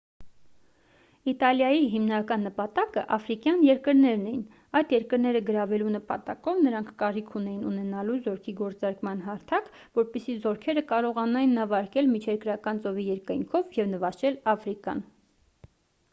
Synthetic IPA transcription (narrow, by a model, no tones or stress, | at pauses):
it̪ɑljɑjiɦimnɑkɑnːəpɑt̪ɑkəʔɑfɾikjɑnjɛɾkəɾnɛɾnɛjin | ɑjd̪jɛɾkəɾnɛɾəɡəɾɑvɛlunəpɑt̪ɑkɔvnəɾɑŋkʰkɑɾikʰunɛjinunɛnɑluzɔɾkʰiɡɔɾt͡sɑɾkmɑnɦɑɾt̪ʰɑk | vɔɾpisizɔɾkʰɛɾəkɑɾɔʁɑnɑjinːɑvɑɾkɛlmit͡ʃʰɛɾkɾɑkɑnt͡sɔvijɛɾkɑjŋkʰɔvjɛvnəvɑʃɛlɑfɾikɑ̰n